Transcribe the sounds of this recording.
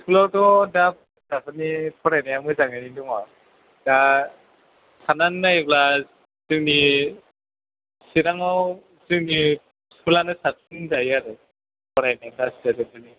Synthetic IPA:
skʰulatɔdap̚ | dakanipʰɔɾajnajamɯjzaŋaniduŋa | d̥a | sananːajbla | zɯŋni | siɾaŋaw | zɯŋni | skulanɯsatʰɯndajaɾɯ | pʰɔɾajnablasadɯpɯni

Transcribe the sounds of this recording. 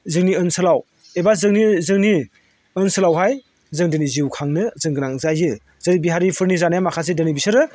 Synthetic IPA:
zɯŋniɯnsɯlaw | ebazɯŋnizɯŋni | ɯnsɯlawɦaj | zɯŋdɯniziwkʰaŋnɯzɯŋɡɯnaŋzajzɯ | z̥ɐɾibiɦaɾipʰɯɾnizanajamakʰas̬edɯnibisɯɾɯ

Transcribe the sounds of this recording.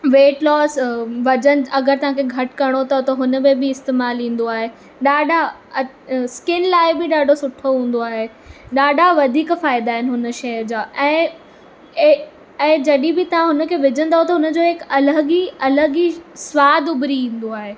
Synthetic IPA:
ʋeːʈlɔːsʋɐd͡ʑən̆ɐɡəɾt̪ɐʋ̤ãkʰeɡʱɐʈkɐɾɽ̃ot̪ɐɦot̪ɐɦʊnə̆mẽbɪɪst̪eːmaːlĩːn̆d̪oaːɦeː | ɗaːɖʱaɐ | skɪnlaːɪbɪɗaːɖʱosʊʈʰoɦũːn̆d̪oaːɦe | ɗaːɖʱaʋɐd̪ʱiːkfaːɪd̪aːɦɪnɪɦʊnə̆ʃɐəd͡ʑaːʔɛ̃ː | ɛ̃ːd͡ʑɐɗibɪt̪ɐʋ̤ãɦʊnə̆kʰeːʋɪd͡ʑʱə̃nd̪aɦot̪ɐɦʊnə̆d͡ʑoːɦɪkɐləɡiɐləɡisʋaːd̪ʊbɾiĩːn̆d̪oaːɦeː

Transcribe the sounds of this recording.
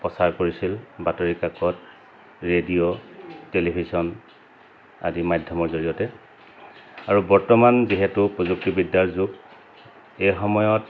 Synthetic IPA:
pɹɔsaɹkoɹisilbatoɹikakɔt̚ | ɹediotelibʱizɔn | a̰dimajdʱjɔmɔɹzoɹijɔtɛ | aɹubɔɹtɔmanziɦɛtʊpɹozuk̚tibidːaɹzuk | ejxɔmɔjɔt

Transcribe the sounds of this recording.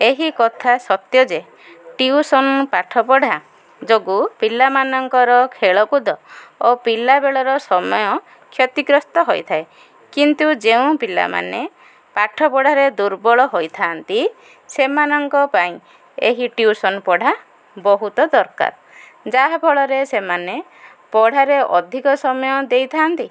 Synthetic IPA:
eɦikɔt̪ʰasɔt̪jɔd͡ʒe | ʈiusɔnpaʈʰɔpɔɽ̤ʱa | d͡ʒoɡupilamanɔŋkɔɾɔkʰeɭɔkud̪ɔopilabeɭɔɾɔsɔmɔjɔ | kʰjɔt̪iɡɾɔst̪ɔɦojt̪ʰae | kint̪ud͡ʒeũpila̰ma̰ne | paʈʰɔpɔɽ̤aɾed̪uɾbɔɭɔɦojt̪ʰaːnt̪i | semanɔŋkɔpaĩ | ḛɦiʈjusɔnpɔɽ̤a | bɔɦut̪ɔd̪ɔɾka̰ɾ | d͡ʒaɦabʱɔɭɔɾesemane | pɔɽ̤aɾeʔɔ̰d̪ʱikɔsɔmɔjɔd̪ejt̪ʰaːnt̪i

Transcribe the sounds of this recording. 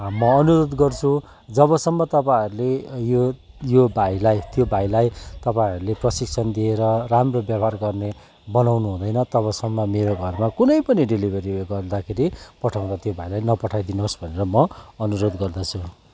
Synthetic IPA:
mʌʌnuɾod̪ɡʌrt͡sʰu | d͡zʌβʌsʌmːʌt̪ʌpaiɾulejo | jobʱajlajt̪jobʱajlajt̪ʌpãʌɾuleprʌsik̚t͡sʰʌnd̪ieɾʌramrobjʌbʱarɡʌrne | bʌnawnuɦũd̪ʌjnʌt̪ʌβʌsʌŋːʌmeɾoɡʱʌrmakunʌjpʌniɖilibʱʌɾiɡʌrd̪akʰeɾipʌʈʰaw̃d̪at̪jobʱajlajnʌpʌʈʰajd̪inosbʱʌneɾʌmʌʌnuɾod̪ɡʌrd̪ʌt͡sʰu

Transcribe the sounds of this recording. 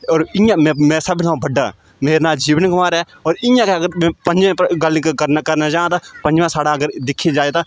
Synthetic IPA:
ɔːɾɪjãːmɛ̃ːmɛ̃ːsəbt̪ʰãbəɖa̰ː | meːɾnaːld͡ʒiːʋənɡəmaːɾɛː | ɔːɾɪjãːkeəɡəɾmɛ̃ːpəɲd͡ʒẽːpɡəlɪ̃kkəɾnakəɾnaːd͡ʒãːt̪aːpə̃nd͡ʒʋãːsaːɽaːəɡəɾd̪ɪkʰːed͡ʒaːeːt̪aː

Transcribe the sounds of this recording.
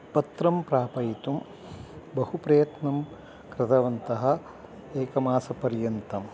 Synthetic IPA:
pɐt̪ɾɐmpɾaːpɐjt̪um | bɐhupɾɐjɐt̪nɐm | kɾɪt̪ɐʋɐnt̪ɐɦɐ̆ | eːkɐmaːsɐpɐɾjɐnt̪ɐm

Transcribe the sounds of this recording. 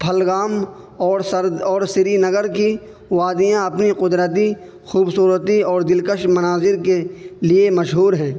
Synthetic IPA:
pʰɐlɡaːm | ɔːɾsəɾɔːɾsɪɾinɐɡəɾki | ʋaːd̪ijãɐpniqʊd̪ɾət̪̬i | xuːbsuːɾət̪iɔːɾd̪ɪlkəʃmɐnaːzɪɾkeliemɐʃɦuːɾɦɛ̃ː

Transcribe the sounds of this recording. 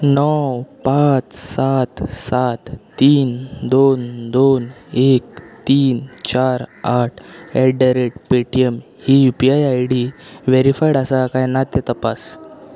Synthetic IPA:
nɔwpat̪sat̪sat̪ː | iːnd̪ond̪onekt̪iːnt͡ɕaɾaʈʰɛɖəɾeʈ̚peʈijəm | hijupiajajɽiʋeɾifajɽəsakajnat̪ːet̪əpas

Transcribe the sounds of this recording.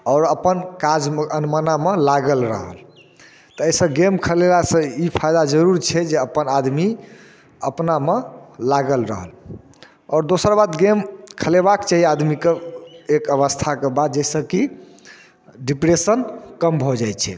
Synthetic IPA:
ɔːɾəpənkad͡ʒmənmənamelaɡəlɾə̰ɦə̰l | t̪ɔəisə̃ɡemkʰəlelasə̃ipʰajd̪ad͡ʒəɾuɾt͡ʃʰɛd͡ʒeəpənad̪mi | əpnamelaɡəlɾəɦəl | ɔːɾd̪osəɾbad̪ɡemkʰəlebakt͡ʃaɦiad̪mikeekəβəst̪ʰakebad̪d͡ʒɛsə̃ki | ɖipɾesənkəmbʱod͡ʒajt͡ʃʰɛ̰

